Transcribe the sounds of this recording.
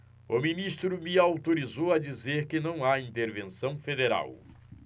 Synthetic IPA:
ʊminist̪ɾʊmɪawt̪oɾizowɐd͡ʒizeɾkɪnɐ̃w̃aĩnt̪eɾvẽsɐ̃w̃fed̪eɾa̰w

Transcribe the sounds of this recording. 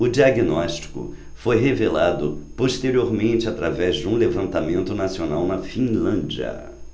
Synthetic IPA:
ʊd͡ʒiaɡinɔʃt͡ʃi̥kʊ̰ | fojɦevelad̪ʊ̰poʃt̪eɾioɾmẽnt͡ʃɪat̪ɾavɛzd͡ʒɪũlevɐ̃nt̪amẽnt̪ʊnasionawnɐfĩlɐ̃d͡ʒiɐ̰

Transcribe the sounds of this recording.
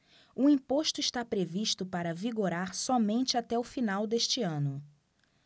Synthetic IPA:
ʊĩpoʃt̪ʊiʃt̪apɾeviʃt̪ʊpaɾɐviɡoɾaɾsɔmẽnt͡ʃɪat̪ɛʊfinawd̪eʃt͡ʃɪɐ̃nʊ

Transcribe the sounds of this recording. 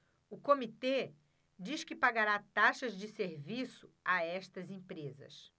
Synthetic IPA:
ʊkomit̪e | d͡ʒiʃkɪpaɡaɾat̪aʃɐzd͡ʒɪseɾvisʊaɛʃt̪ɐzẽpɾezɐ̰s

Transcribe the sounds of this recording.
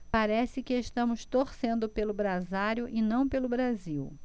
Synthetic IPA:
paɾɛsɪkɪeʃt̪ɐ̃mʊst̪oɾsẽnd̪ʊpelʊbɾazaɾjʊʔɪnɐ̃w̃pelʊbɾaziw

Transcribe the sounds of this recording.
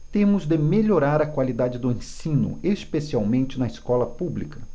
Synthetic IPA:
t̪ẽmʊzd̪ɪmeʎoɾaɾɐkwalid̪ad͡ʒɪd̪ʊẽsĩnʊ̰espesiawmẽnt͡ʃɪnɐiskɔlɐpublikɐ

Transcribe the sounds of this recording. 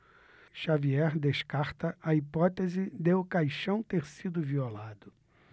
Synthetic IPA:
ʃaviɛɾd̪eʃkaɾt̪ɐʔɐipɔt̪ezɪd̪eʊkajʃɐ̃w̃t̪eɾsid̪ʊviolad̪ʊ

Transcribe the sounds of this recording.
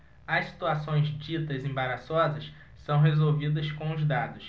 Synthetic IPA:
ɐssi̥t̪uasõj̃zd͡ʒit̪ɐzẽbaɾasɔzɐʃ | sɐ̃w̃ɦezowvid̪ɐskõʊzd̪ad̪ʊs

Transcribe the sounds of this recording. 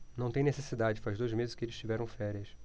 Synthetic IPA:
nɐ̃w̃t̪ẽj̃nesesid̪ad͡ʒɪd͡ʒɪfazd̪ojzmezɪʃkɪelɪ̥st͡ʃivɛɾɐ̃w̃fɛɾiɐs

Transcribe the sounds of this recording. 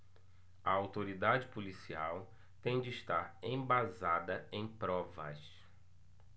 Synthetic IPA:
ɐawt̪oɾid̪ad͡ʒɪpolisiaw | t̪ẽj̃d͡ʒɪːʃt̪aɾẽj̃bazad̪ɐẽj̃pɾɔvɐ̰s

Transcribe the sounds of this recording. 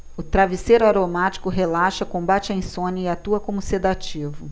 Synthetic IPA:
ʊt̪ɾaviseɾaɾomat͡ʃi̥kʊɦelaʃɐkõmbat͡ʃɪɐĩsõnɐɪat̪uɐkõmʊsed̪at͡ʃivʊ

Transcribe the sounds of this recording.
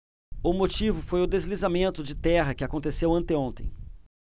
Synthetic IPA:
ʊmot͡ʃivʊfojʊd̪ezlizamẽnt̪ʊd͡ʒɪt̪ɛɦɐkɪakõnt̪esewɐ̃nt̪ɪõnt̪ḛ̃j̃

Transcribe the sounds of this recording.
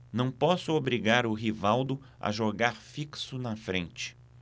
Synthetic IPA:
nɐ̃w̃pɔsʊobɾiɡaɾʊɦivawd̪ʊ | ɐ̰ʒoɡaɾfiksʊnɐfɾẽnt͡ʃɪ̥

